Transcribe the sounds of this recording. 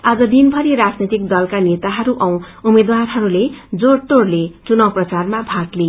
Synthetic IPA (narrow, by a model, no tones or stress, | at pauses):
ad͡zʌd̪inbʱʌɾiɾad͡znit̪ik̚d̪ʌlkanet̪aɦʌɾuʔʌw̃umed̪warɦʌɾuled͡zoɽʈ̪oɽlet͡sunʌwprʌt͡sarmabʱakle